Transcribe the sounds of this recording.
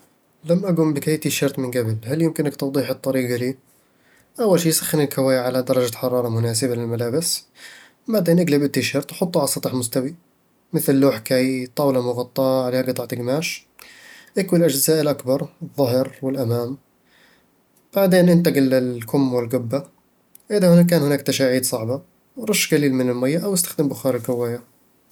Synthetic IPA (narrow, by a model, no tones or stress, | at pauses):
lamːʔaɡʊmbɪkajːt̪iʃɑɾˤt̪mɪnɡablhaljɪmkɪnakt̪ɑwd̪ˤiːħɨt̪ˤːɑɾiːɡaliː | ʔawːalʃiːsḁxːɪnɪlkʰawaːjaʕalad̪ɑɾˤɑd͡ʒaħɑɾˤɑːɾˤɑmʊnaːsɪbalɪlmalaːbɪs | baʕd̪eːnʔaɡlabɪt̪ːiʃɑɾˤt̪ˤħʊt̪ˤːuʕɑsˤɑt̪ˤɪħmʊst̪awi | mɪθlːoːħkajt̪ˤɑːwlamʊɣɑt̪ˤːɑːʕaleːhaɡt̪ˤːɑʕt̪ɪɡmaːʃ | ʔakwilʔad͡ʒzaːʔɪlʔakbɑɾˤɨðˤːɑɦɾwɪlʔamaːm | b̥aʕd̪eːnʔɪnt̪aɡɪlɪlkʊmːwɪlɡʊbːa | ʔɪðahʊnk̬aːnhɪnaːkt̪aʃaːʕiːd̪sˤɑʕba | ɾˤʊʃːɡaliːlmɪnɪlmajːaʔawɪst̪ḁxd̪ɪmbʊxɑːɾɪɡawaːjːa